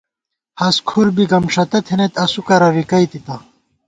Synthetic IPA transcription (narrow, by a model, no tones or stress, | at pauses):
hɐskʰuɾbiɡɐmʂɐt̪ɐt̪ʰenet̪ɐsukɐɾɐwikɐit̪it̪ɐ